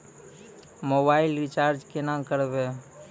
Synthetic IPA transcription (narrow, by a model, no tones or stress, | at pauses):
moːbaːɪlɾɪt͡ʃaːɾd͡ʒkenãːmkəɾbeː